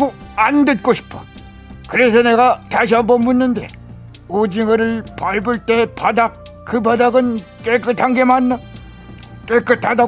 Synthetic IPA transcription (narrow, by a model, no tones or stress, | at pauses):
ɡoandɯt̚k͈oɕʰi̥pʰʌ̥ | kɯɾe̞sʰʌne̞ɡataɕ̬ʰiɦambʌmmunːɯnde̞ | od͡ʑiŋɯɾɯɭpaibɯɭt͈e̞padak̚ | k͈ɯbadaɡɯn | k͈ek͈ɯtʰaŋɡe̞manːa | k͈ek͈ɯtʰada